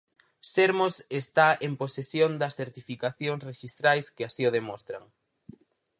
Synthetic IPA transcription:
seɾmosest̪aemposesjond̪ɐsθeɾt̪ifikaθjoŋsreʃist̪ɾajskɪasioðemost̪ɾɐŋ

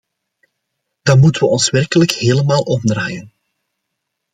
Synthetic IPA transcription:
d̥ɑnmutəʋəʔɔnswɛrkələkheːləmaːlˠʔɔmdra̰ːjən

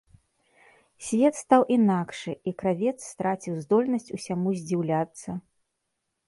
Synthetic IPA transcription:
sʲvʲɛt̪st̪awʔinakʂɨʔikɾavʲɛt̪sːt̪ɾat͡sʲiwzd̪ɔlʲnɐsʲt͡sʲusʲamuzʲd͡zʲiwlʲat̪sːɐ

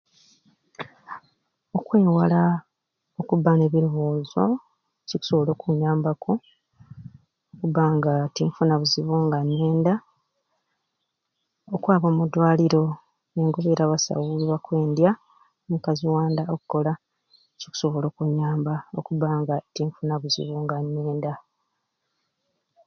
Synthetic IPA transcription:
o̞kwe̞ːwala | o̞kubːane̞βiɾuβuːzo̞ | ciku̥so̞βolo̞ːkuɲːaːmbaku | okubaŋɡatiɱfunaβuziβuŋɡanːe̞ːnda | okwaːβo̞ːmudwaːliɾo̞ | eŋɡoβeɾaβasa̰wuliβakwe̞ːndja | omukaziwaːndaokuko̞la | ciku̥so̞βo̞lo̞ːkuɲːaːmbao̞̰kuβaŋɡatiɱfunaβuzḭβuŋɡanːeːnda

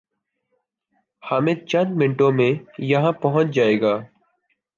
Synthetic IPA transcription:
haːmet͡ʃənmɪɳʈõmẽjəɦãpəɦʊ̃t͡ʃd͡ʒaːeːɡaː

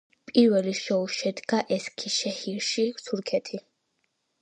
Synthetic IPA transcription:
pʼiɾwɛliʃɔuʃɛd̪ɡaʔɛskʰiʃɛhiɾʃit̪ʰuɾkʰɛt̪ʰi

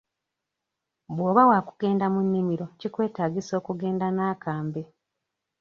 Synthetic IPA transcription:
bwoːβawaku̥ɡ̥e̞ːndamunːimiɾo̞cikwe̞ːtaːɡiso̞ːkuɡe̞ːndanaːkaːmbe

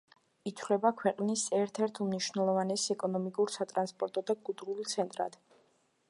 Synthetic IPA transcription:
it̪ʰlɛbakʰwɛqʼnisɛɾt̪ʰɛɾt̪ʰumniʃwnɛlˠɔvanɛsɛkʼɔnɔmikʼuɾsat̪ʼɾanspʼɔɾt̪ʼɔd̪aɡud̪ɾult̪sʰɛnt̪ʼɾa̰d̪̥

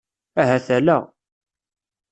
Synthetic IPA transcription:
æɦæθælæ

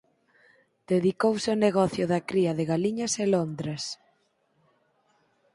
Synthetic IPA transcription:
d̪̥eðikowsɪoneɣ̞ɔθjʊðɐkɾiɐðeɣaliɲɐselond̪ɾes

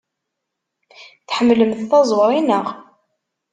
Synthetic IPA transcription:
θħəmːləmθθɑzˤwɾˤinəʁ

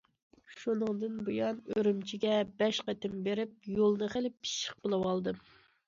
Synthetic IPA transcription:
ʃunɨŋd̪ɨnbujɑnøɾymt͡ʃʰiɡʲɛbɛʃqɛt̪ɪmbeɾɪp̚jolˠnɨχelɪpʰːi̥ʃɪ̥q̚bɨlˠɨwɑlˠd̪ɨ

